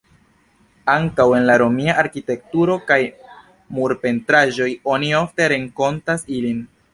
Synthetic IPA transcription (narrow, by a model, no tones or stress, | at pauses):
aŋkawe̞nlaɾo̞miaʔaɾkite̞k̚tuɾo̞kaj | muɾpe̞ntɾaʒo̞jo̞nio̞fte̞ɾe̞ŋko̞ntasilin